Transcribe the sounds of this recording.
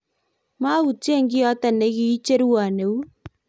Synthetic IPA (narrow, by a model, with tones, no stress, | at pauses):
ma˦ɣu˨te˦ŋɡɪ˦ɔ˦ta˨ne˨˦ɣi˦t͡ʃe˦ɾu˦wa˨ne˨u˦